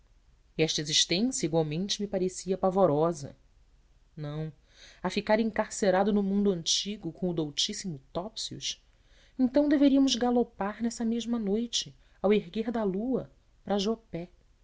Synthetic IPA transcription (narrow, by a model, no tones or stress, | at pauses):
iɛʃt̪ɐeziʃt̪ẽsjɐiɡwawmẽnt͡ʃɪmipaɾesiɐpavoɾɔzɐ̰ | nɐ̃w̃ | afikaɾẽŋkaɾseɾad̪ʊnʊmũnd̪ʊɐ̃nt͡ʃiɡʊkõʊd̪owt͡ʃisimʊt̪ɔpsiʊ̰ʃ | ẽnt̪ɐ̃w̃d̪eveɾiɐmʊzɡalopaɾnɛsɐmeʒmɐnojt͡ʃɪ | aweɦɡeɾd̪ɐluɐ | pɾɐʒopɛ